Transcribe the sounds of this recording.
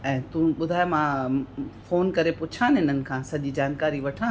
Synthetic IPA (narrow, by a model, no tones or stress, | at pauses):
ɛ̃ːt̪ũɓʊd̪ʱaːjmã | foːnkɐɾepʊt͡ɕʰãːnɦɪnənɪ̆kʰãːsɐʄid͡ʑaːnkaːɾiʋɐʈʰãː